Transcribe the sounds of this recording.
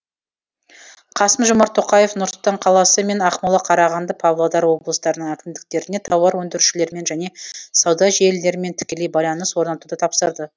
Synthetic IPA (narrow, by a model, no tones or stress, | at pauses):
qʰɑsəmʒʊmɑɾt̪ʰːo̞qɑje̞fnʊɾsʊlˠt̪ɑɴqʰɑlˠɑsəme̞nɑχmɑlˠɑqʰɑɾɑʁɑnd̪əpʰɑvlˠod̪ɑɾwo̞blˠəst̪ɑɾənəɴækʲɪmd̪ɪk̚t̪e̞ɾɪne̞t̪ʰɑwɑɾwɵnd̪ɪɾʃɪle̞ɾme̞nʒæne̞sɑwd̪ɑʒelːe̞ɾɪme̞nt̪ʰɪ̥kʲe̞le̞jbɑjlˠɑnəswo̞ɾnɑt̪ud̪ət̪ʰɑpsəɾd̪ə